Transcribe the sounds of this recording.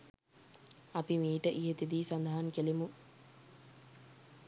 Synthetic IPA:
apimiːʈəʔiɦet̪id̪iːsand̪aɦaŋkelimu

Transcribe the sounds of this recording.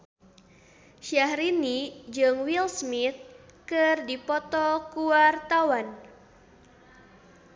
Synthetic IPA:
ʃahɾinid͡ʒɨŋwilsmit̪̚kɨrdipɔt̪ɔkuwart̪awan

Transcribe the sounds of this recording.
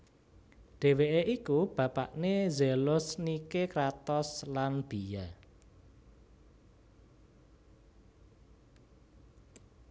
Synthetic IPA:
ɖ̥e̤weʔeʔikub̥a̤pa̰ʔnezelʊsnikekɾat̪ɔslanb̥ija

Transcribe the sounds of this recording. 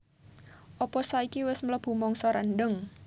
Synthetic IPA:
ʔɔpɔsaikiwɪsmələb̥ṳmɔŋsɔɾanɖəŋ

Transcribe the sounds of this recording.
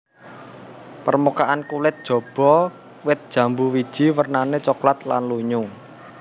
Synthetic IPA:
pərmukaʔankulɪt̪̚d̥ʒ̥ɔ̤b̥ɔ | wɪt̪̚d̥ʒ̥ä̤mbuwid̥ʒ̥i̤wərnanet͡ʃoklat̪lanluɲuŋ

